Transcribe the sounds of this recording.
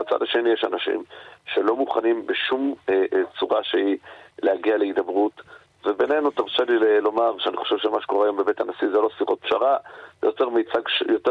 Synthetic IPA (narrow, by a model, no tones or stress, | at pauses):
at͡sa̰daʃe̞nijeʃanaʃḭmʃelo̞muχanimbeʃumt͡suʁaʃehilehaɡiale̞id̪abʁut | vebe̞ne̞nut̪aʁʃalilelo̞maʁʃeaniχo̞ʃe̞vʃemaʃe̥koʁeajo̞mbebetanasizelo̞siχo̞t̪̚pʃa̰ʁavejote̞ʁmejt͡saɡʃjo̞te